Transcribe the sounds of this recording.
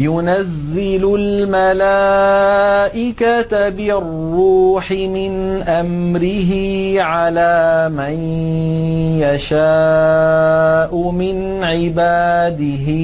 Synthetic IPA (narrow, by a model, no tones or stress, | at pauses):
jʊnazːɪlʊlmalaː | ʔɪkat̪abɪrːuːħɪmɪnʔamɾɪɦɪʕalaːman | jaʃaː | ʔʊmɪn | ʕɪbaːd̪ɪɦɪ